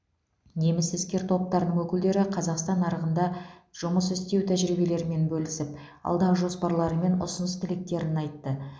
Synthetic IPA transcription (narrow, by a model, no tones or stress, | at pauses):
ne̞mɪsɪzkʲe̞ɾt̪ʰo̞p̚t̪ɑɾənəɴwɵkʲɪld̪e̞ɾɪqʰɑzɑqst̪ɑnɑɾəʁənd̪ɑʒ̥ʊməsɪst̪e̞wt̪ʰæʒɾijbe̞le̞ɾɪme̞nbɵlɪsɪp̚ | ɑ̰lˠd̪ɑʁəʒo̞spɑɾlˠɑɾəme̞nʊ̰sənəst̪ʰɪlɪk̚t̪e̞ɾɪnɑjt̪ːə